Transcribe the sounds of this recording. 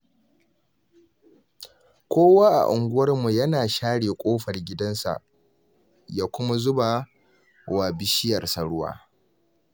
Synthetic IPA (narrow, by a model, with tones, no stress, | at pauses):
kʷoː˦waː˦ʔa̰˨ʔʊ˨ŋɡʷʊ˦wɐ˦rmu˨jɐ˦naː˨ʃaː˦ɽeː˨kʷʼoː˦ɸɐ˨rɡʲɪ˦dɐ˦nsa̰˨ʔ | jaː˦kʷʊ˦ma˦zʊ˦ba˨ | waː˨bɪ˦ʃɪ˦jɐ˨rsɐ˨ɽʊ˦wa̰ː˦